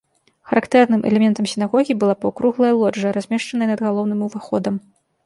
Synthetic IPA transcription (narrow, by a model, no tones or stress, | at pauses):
xɐɾakt̪ɛrn̪ɨmʔɛ̰lʲɛmʲɛnt̪ɐmsʲinaɣɔɣʲibɨlˠapɐkɾuɣlˠɐjɐlˠɔd͡ʐːɐɾazʲmʲɛʂt͡ʂɐnɐjɐnɐd̪ɣalˠɔwnɨmuvaxɔd̪ɐm